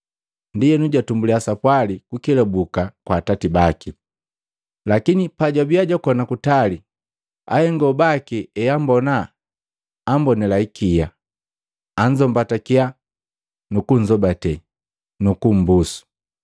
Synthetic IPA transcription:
ndijɛnuɟwatumbuliasapwalikukilabukakwaːtatibaki | lakinipaɟabiaɟɔkɔnakutali | a̰hɛŋɡɔbakiɛjambɔnaː | mbɔnɛlaikʰija | aɲd͡ʒɔmbatakia | nukuɲd͡ʒɔbatɛ | nukum̩busu̥

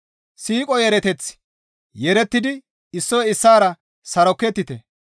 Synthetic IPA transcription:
siːkʼɔjɛɾɛt̪ɛt͡s | jɛɾɛt̪ːɪd̪ɪ | ɪsːɔjɪsːaːɾɐ | sɐɾɔkːɛt̪ːɪt̪ɛ

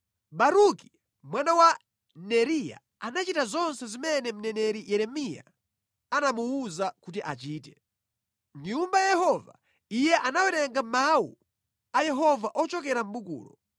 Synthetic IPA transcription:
ɓaɾuki̥ | mwanawa | nɛɾija̰ | anat͡ʃitazɔnsɛzimɛnɛm̩nɛnɛɾijɛɾɛmija̰ | anamuuzakut̬iʔa̰t͡ʃiːtɛ̥ | ɲumbajɛhɔva̰ | ijɛʔanawɛɾɛŋɡamawṵ | ajɛɦɔvaʔɔt͡ʃɔk̬ɛɾam̩ɓukṵːlɔ

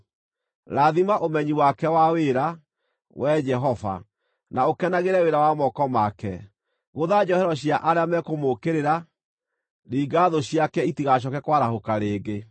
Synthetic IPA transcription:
ɾaðimaʔomɛɲiwakɛwaweɾa | wɛd͡ʒɛɦɔva̰ | naokɛnaɣeɾɛweɾawamɔkɔmakɛ | ɣoðad͡ʑɔhɛɾɔɕ̬jaʔaɾeamɛkomokeɾeɾa | ɾiːɡaðoɕiakɛitiɣaɕ̬ɔkɛkwaɾahokaɾeːɣe

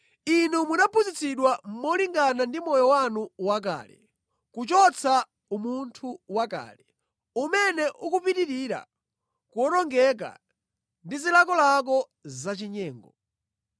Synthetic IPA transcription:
inumunapʰuzit͡siɗwammɔliŋɡanandimɔjɔwanuwak̬a̰ːlɛ̰ | kut͡ʃɔt͡sʰa | umuntʰuwaka̰ːlɛ | umɛnɛʔukupiɾiɾiɾa̰ | kuɔnɔŋɡɛk̬a̰ | ndizilakɔlak̬ɔ | zat͡ʃiɲɛːŋɡɔ

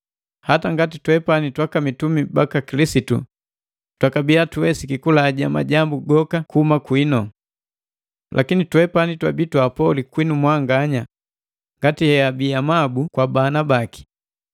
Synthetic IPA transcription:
hataŋɡatitwɛpanitwakamitumibakakilisitṵ | twakabiatuwɛsikikulaːɟama̰ɟambuɡɔkakuhumakwinɔ | lʔakinitwɛpanitwabitwapɔlikwinumwaŋɡaɲa | ŋɡatihɛabiamabukwabanabaki̥

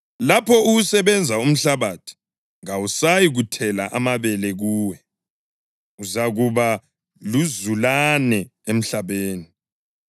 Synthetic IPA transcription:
lapʰɔuusɛβɛnd͡zʱaum̩ɬaβatʰi̥ | ŋawusajiɣutʰɛla̰ʔamaβɛlɛɣuːwɛ | uzaɣuβa | luzulanɛem̩ɬaβeːni

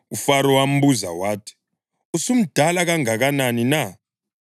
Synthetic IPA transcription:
ufaɾɔwam̩buza̰waːtʰi̥ | usum̩d̥ʱalaɣaŋaɣananina

